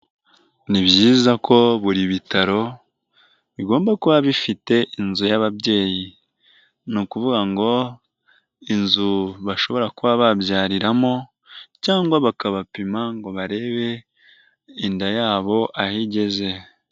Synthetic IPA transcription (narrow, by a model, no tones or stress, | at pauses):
niβjiːzakʰo̞βuɾiβitaɾo̞ | βiɡo̞ːmbakuβaβifite̞ʔinzujaβaβɟe̞ːji | nukuvuɡaŋɡo̞ | inzuβaʃo̞βo̞ɾakuβaβabjaːɾiɾamo̞ | caːŋɡwaβakaβapimaŋɡo̞βaɾe̞ːβe̞ | indajaːβo̞ʔahiɟe̞ze̞